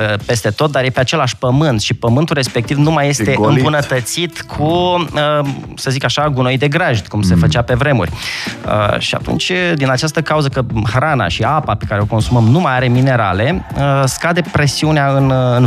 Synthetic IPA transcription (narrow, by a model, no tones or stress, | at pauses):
pe̞st̪e̞t̪o̞t̪̚d̪aɾjepeat͡ʃe̞laʃpəmɨnt̪ʃipəmɨnt̪ulrespe̞k̚t̪ivnumajːe̞se̞ɨmbunət̪ət̪sit̪kʰuə | səzikaʃaɡuno̞jd̪e̞ɡɾaʒd̪ʲkumse̞fət͡ʃape̞vɾe̞mṵrʲə̰ʃia̰t̪ṵnt͡ʃʲd̪inat͡ʃast̪əkauzəkəhɾana̰ʃiapapekaɾe̞o̞ko̞nsuməmnumajaɾe̞mine̞ɾa̰le̞əskad̪e̞pɾe̞siuneaɨnɨn